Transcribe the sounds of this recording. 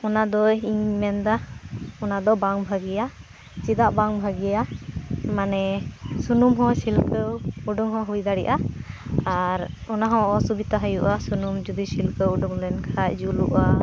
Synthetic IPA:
ɔnad̪ɔɦiɲmɛnd̪aɔnad̪ɔbaŋbʱaɡija | t͡ʃid̪aʔbaŋbʱaɡija | manɛsunumɦɔ̃silkəwuɖuŋɦɔ̃ɦujd̪aɽḭʔa | aɾɔnaɦɔ̃ʔɔsubit̪aɦəjuʔasunumd͡ʒud̪isilkəwuɖuŋlɛnkʰacd͡ʒuluʔa

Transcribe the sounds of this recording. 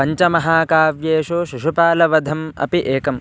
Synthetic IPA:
ɐɲt͡ʃɐmɐɦaːkaːʋjeːʃuʃiʂupaːlɐʋɐd̪ʱɐmɐ̰piʔeːkɐm

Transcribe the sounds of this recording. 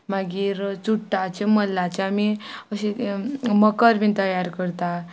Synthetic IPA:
maɡiːɾt͡suʈːat͡ɕeməlːat͡ɕeamiəɕeməkəɾbit̪əjaɾkəɾt̪a

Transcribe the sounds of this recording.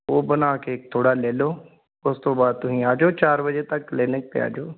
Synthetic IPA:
oːbənaːkeːk̚t̪ʰoːɽaːleːloː | ʊst̪õːbaːd̪̚t̪ʊsĩːaːd͡ʒoːt͡ʃaːɾbəd͡ʒeːt̪əkːlɪnɪk̚pea̰ːd͡ʒoː

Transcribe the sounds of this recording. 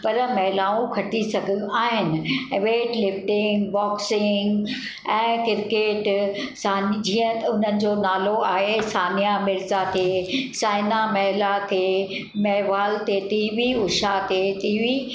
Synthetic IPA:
pɐɾmɐɦɪlaːũkʰɐʈisɐɡʱijũʔaːɦɪnɪ̆ʋeːʈlɪfʈɪ̃ŋɡbɔːksɪŋɡ | ɛ̃ːkɪɾkeːʈsaːnd͡ʑiːə̃ʊn̤ənɪ̆d͡ʑoːnaːloaːɦesaːnijamɪɾzat̪ʰesaːɪnamɐɦlat̪ʰe | mɛɦʋaːlt̪et̪iːʋiʊʃat̪et̪iːʋi

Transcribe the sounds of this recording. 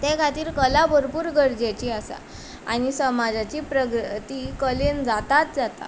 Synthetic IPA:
t̪ekʰat̪iːɾkəlabʱəɾpuːɾɡəɾd͡ʑet͡ɕiːasa̰ | a̰ñisəmad͡zat͡ɕiːpɾəɡɾt̪ikəlend͡zat̪at̪̚d͡zat̪a̰

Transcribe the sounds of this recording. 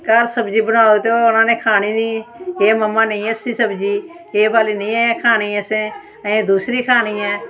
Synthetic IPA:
kəɾsəbd͡ʒiːbənaːot̪oːʊnãːneːkʰaːñiːnĩːeːməmːãːnəĩːəsĩːsəbd͡ʒiː | eːbaːliːnĩːɛkʰaːniːəsẽː | əẽːd̪uːsɾiːkʰaːɽ̃iːɛ̃ː

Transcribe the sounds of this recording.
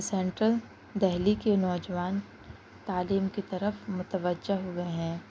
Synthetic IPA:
sɛ̃ɳʈɾəl | d̪ɛɦlikenɔːd͡ʒəʋaːn | t̪aːliːmkit̪ɐɾəfmʊt̪əʋəd͡ʒːəɦoɡɐeɦɛ̃ː

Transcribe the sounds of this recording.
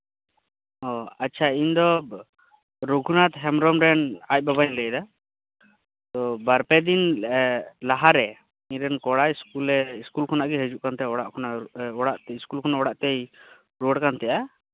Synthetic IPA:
ɔatːt͡ʃʰaiɲd̪ɔb | ɾoɡʱunat̪ɦɛmɾɔmɾɛnac̚ˀbabaɲləjd̪a | t̪ɔbaɾpɛd̪in | laɦaɾɛ | iɲɾɛnkɔɽajiskulɛiskulkʰɔnaʔɡɛɦəd͡ʒuʔkant̪ɛjaɔɽaʔkʰɔnaɔɽaʔiskulkʰɔnaʔɔɽaʔt̪ɛj | ɾoɽkant̪ɛja

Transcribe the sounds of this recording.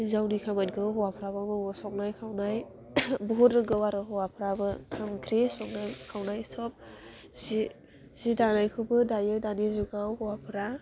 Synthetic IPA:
zawnikʰamat̚ɡɯɦɔwapʰɾabamɯsɔk̚najkʰawnaj | buɦutɾɯɡɯwaɾɯɦɔwapʰɾabɯkʰamkʰɾisɔk̚najkʰawnajsɔp̚ | zi | z̥idanajkʰɯbɯdajɯdanizuɡawhɔwapʰɾa

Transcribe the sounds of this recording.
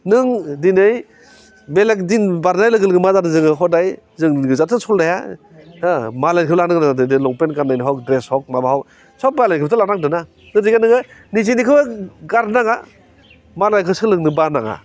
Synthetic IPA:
nɯŋdinɯj | belek̚dinbaɾnajlɯɡɯlɡɯmazadɯzɯŋɯɦɔdaj | zɯŋɡɯzatʰɯsʰɔldaja̰ | malajnkʰɯblanɯɡɯnadɯdɯlɔŋpenkaɾnajniɦɔk̚dɾeshɔk̚mabaɦaw | sʰɔk̚balajnkʰɯbtʰɯlaɾaŋdɯna | dɯdikanɯŋɯnizinikʰɯbaɡaɾnaŋa | malajkʰɯsɯlɯŋnɯbaɾnaŋa̰

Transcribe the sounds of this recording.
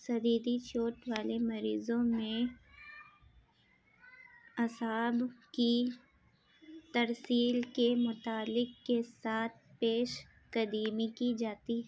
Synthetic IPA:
sɐd̪iːd̪it͡ʃoːʈʋaːlemɐɾiːzõmẽ | ɐsaːbki | t̪ɐɾsiːlkemʊt̪aːlɪqkesaːt̪̚ʰpeːʃ | kɐd̪iːmikid͡ʒaːt̪iɦɛː

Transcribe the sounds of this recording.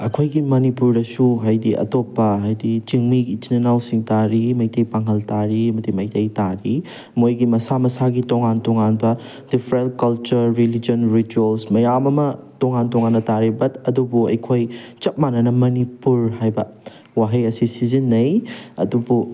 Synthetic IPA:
ɐkʰojɡimɐnipuɾdɐsuɦajdiʔɐ̰topːɐɦajdit͡ʃiŋmiɡit͡ʃinɐnawsiŋtaɾimɐjtɐjpaŋɦɐltaɾiɐmɐdimɐjtɐjtaɾi | mojɡimɐsamɐsaɡitoŋantoŋanbɐ | d̥ipʰɾelkɐlt͡ʃɐɾːilid͡ʒionɾituelsmɐjamɐmɐtoŋantoŋanːɐtaɾibɐtɐdubuɐ̰jkʰojt͡ʃɐt̚manɐnɐmɐnipuɾhajbɐ | waɦɐjɐsisizinːɐjɐdubu

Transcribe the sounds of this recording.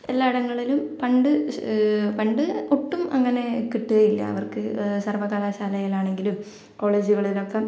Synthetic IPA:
elːaːiɽɐŋːɐɭilumpɐɳɖɨ | pɐɳɖɨoʈːumɐŋːɐne̞kiʈːuɣɐjilːɐ̰ɐ̰ʋɐrkɨsɐrʋɐɣaːlaːɕaːlɐjilaːɳe̞ŋɡilum | ko̞ːɭeːd͡ʑuɣɐɭilo̞kːe

